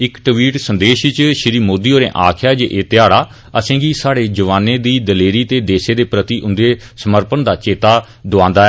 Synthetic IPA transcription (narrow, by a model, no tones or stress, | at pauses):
ɪkʈəʋiːʈsənd̪eːʃt͡ʃʃɪɾiːmoːd̪iːoːɾḛ̃ːʔaːkʰjaːd͡ʒeːʔeːt̪ɪjaːɽaː | əsẽːɡiːsaːɽeːd͡ʒəʋaːnẽːd̪iːd̪əleːɾiːt̪eːd̪eːsẽːd̪eːpɾət̪iːʔʊnd̪eːsəməɾpənd̪aːt͡ʃeːt̪aː | d̪ʊãːnd̪aːɛː